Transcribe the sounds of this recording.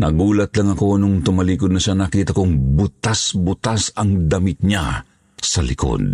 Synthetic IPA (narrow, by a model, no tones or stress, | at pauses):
nɐɡuːlɐt̪lɐŋɐko̞nʊŋt̪ʊmɐliːkod̪nɐʃanɐkiːt̪ɐkoŋbʊt̪asbʊt̪asɐŋd̪amit̪̚ɲa | sɐlɪ̰ko̰d̪̚